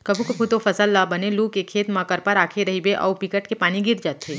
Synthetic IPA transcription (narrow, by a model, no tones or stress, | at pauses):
kɐbʱukɐpʰut̪ofʰɐsəlːabɐneluːkekʰeːt̪mãkəɾpɐɾaːkʰeɾɐɦibeʔɔ̰ːpɪkəʈkepaːniɡɪɾd͡ʒaːt̪eː